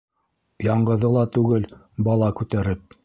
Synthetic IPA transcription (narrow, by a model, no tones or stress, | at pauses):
jɑɴɢɤ̆ðɤlˠɑt̪ʉɡɘl | bɑlˠɑkʉt̪æɾɘp̚